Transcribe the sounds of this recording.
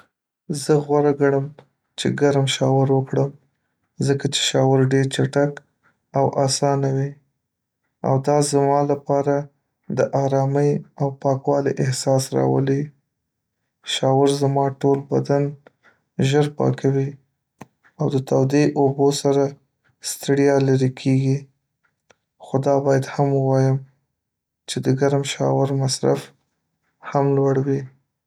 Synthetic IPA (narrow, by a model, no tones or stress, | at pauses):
zəɣwaɾaɡaɽəm | t͡ʃeɡaɾmʃɑwɪɾwəkɽəm | zəkat͡ʃe̥ʃɑwaɾɖeɾt͡ʃaʈak | awʔasɑnawi | a̰wd̪ɑzmɑlapɑɾa | d̪əʔɑɾɑməjawpɑkwɑliʔɪhsɑsɾɑ̰wə̰li | ʃɑwaɾzamɑʈolbad̪an | ʒəɾpɑ̰kʰawi | awd̪ət̪awd̪eʔobosaɾa | st̪ɽjɑlaɾikʰeɡi | xod̪ɑbɑjad̪haməwɑjəm | t͡ʃed̪əɡaɾmʃɑ̰wɪɾmasɾa̰f | hamlwaɽwi